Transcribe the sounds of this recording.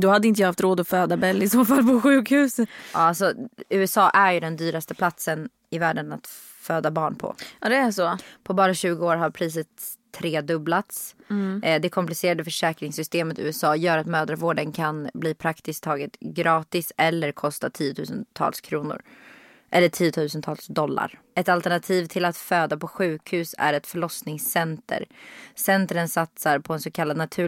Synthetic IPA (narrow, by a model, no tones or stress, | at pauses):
d̪ɔhad̪əɪnt̪əjɑːhaft̪ɾoːd̪ɔføːd̪abɛlːɪsoːfalpʰɔɧʉ̟ːkhʉ̟ːsət̪ːalsɔʉ̟ːɛsɑːʔæɾjɵd̪ɛnd̪yːɾast̪əpʰlat̪sən | ɪvæːɖəna̰t̪ | føːd̪abɑːɳpʰɔ̰d̪ɛæsɔpʰɔbɑːɾaɕʉ̟ːɡʊoːɾɦaɾpʰɾiːs̬ət̪ʰː | ɾeːd̪ɵblat̪s | d̪ɛkʰɔmplɪseːɾad̪əfœʂɛːkɾɪŋsʏst̪eːmət̪ʉ̟ːɛsɑːjœːɾat̪mœːd̪ɾaɾvoːɖənkʰanbliːpʰɾakt̪ɪst̪ʰːɑːɡɪt̪ɡɾɑːt̪ɪsɛlːəɾkʰɔst̪at̪ʰiːʊt̪ʰʉ̟ːsənt̪ʰɑ̰ːlskʰɾuːnʊ̰ɾ | ʔɛlːəʈʰiːjʊt̪ʰʉ̟ːsənt̪ʰɑːlsd̪ɔlːa̰ɾ | ɛt̪alt̪ɛɳat̪ʰiːvt̪ʰɪlat̪føːd̪apʰɔɧʉ̟ːkʰhʉ̟ːsæ̰ɾɛt̪fœɭɔsnɪŋsːɛnt̪ʰə̰ɾsɛnt̪ɾənsat̪saɾpʰɔɛnsɔkʰalːad̪nat̪ʰʉ̟ː